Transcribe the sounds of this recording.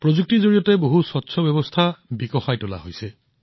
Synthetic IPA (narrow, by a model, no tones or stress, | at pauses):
pɹozuk̚tizoɹijɔteboɦusɔtːsʰɔbjɔbɔst̪ʰabikɔxajtɔla̰ɦojsɛ